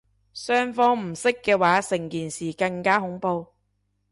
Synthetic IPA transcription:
sœː˥ŋfɔː˥ŋm̩˨˩sɪ˥kːɛː˧waː˨˥sɪ˨˩ŋkiː˨˩nsiː˨˩kɐ˧ŋkaː˥ɦʊ˨˥ŋpo˧w

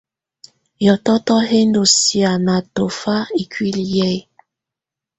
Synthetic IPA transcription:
jɔ˨tɔ˦tɔ˦ɦe˦ndo˨si˨a˨na˨to˨fa˦i˨kwi˦li˨jɛ˦˨˦

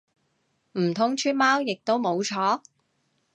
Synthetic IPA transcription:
m̩˨˩t̪ʰʊ˥ŋt͡ʃʰyː˥n̚maː˥wjɪ˨k̚t̪o˥wmo˨˧wt͡ʃʰɔː˨˥

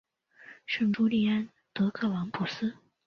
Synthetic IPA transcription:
ʂə˥˩ŋʈ͡ʂu˥li˥˩a˥n | t̪ɤ˧˥kʰɤ˥˩wɑ˧˥ŋpʰu˨˩sɹ̩˥

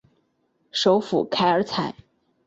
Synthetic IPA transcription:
ʂo˧˥ʊfṵ˨˩kʰa˧˥ɪə˞˧˥t͡sʰa˨˩˦ɪ

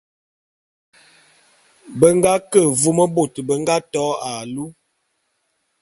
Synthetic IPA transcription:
bə˦ŋɡa˦kə˦˨vu˦mə˦bo˨tbə˦ŋɡa˦tɔ˨˦a˨lu˦

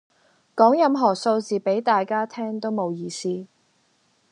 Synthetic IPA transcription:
kɔː˨˥ŋjɐ˨˧mɦɔː˨˩so˧wt͡siː˨pe˨˥jt̪aː˨jkaː˥t̪ʰɛː˥ŋt̪o˥wmo˨˧wjiː˨˧siː˥

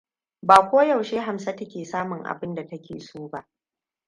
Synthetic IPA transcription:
baː˨kʷoː˦jɐ˨wʃeː˦ɦa˨msɐ˦tɐ˦kʲeː˨saː˦mʊ˨ŋʔa̰˨bɪ˦nda˨tɐ˦kʲeː˨suː˦ba˦ʔ

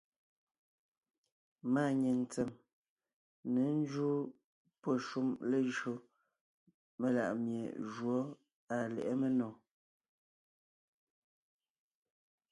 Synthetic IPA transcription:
ma˦˨ɲe˨n̩˨t͡sɛ˨m | ne˨˦n̩˦d͡ʒu˦ | pɔ˦ʃu˦mle˦ʒɰo˦ | me˨la̰˨ʔmjḛ˨ʒwɔ˨˦ | a˨lɛ̰˨ʔɛ˦me˦nɔ˨

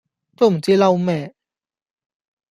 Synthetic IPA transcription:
t͡ɕɔ˥˧˩m˨˩t͡ɕi˧la˧wmɛ˧˩

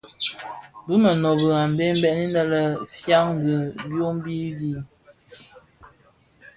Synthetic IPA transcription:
bu˦mə˨nɔ˨bə˨ɣa˨m˨be˦m̩˦bɛ˦˨ʔni˦nə˦lə˦fja˦ŋŋ˨ɡə˨bjo˦m˦bi˦di˦˨

